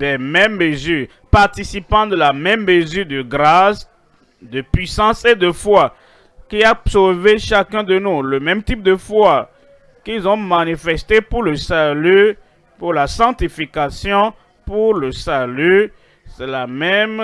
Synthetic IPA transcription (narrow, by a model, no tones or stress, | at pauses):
d̪ɛmɛmːəzyːʁ | paʁt̪isipɑ̃d̪əlamɛmːəzyʁd̪əɡʁas | d̪əpɥisɑ̃sed̪əfwa | kiasoveʃakɛ̃d̪ənuləmɛmt̪ip̚d̪əfwa | kilzɔ̃manifɛst̪epuʁləsaly | puʁlasɑ̃t̪ifikasjɔ̃ | puʁləsaly | sɛlamɛm